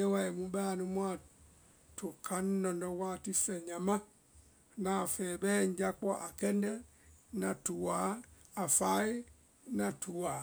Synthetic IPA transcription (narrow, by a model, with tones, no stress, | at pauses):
ɛ˦wa˨ɛ˨mũ˦ba˦˨nũ˦m˦a˨ | tʰo˨kʰa˦n˦nɔ˨ndɔ˦waː˦˨ti˦fɛ˨ɲã˨ma˦ | na˨fɛ˨bɛː˦ɲ˦d͡ʒa˦k͡pɔ˦ʔa˨kɛ˦ndɛ˦ | na˨tu˨wa˨˦a˨fa˨˦i˦ | na˨tʰu˨wa˨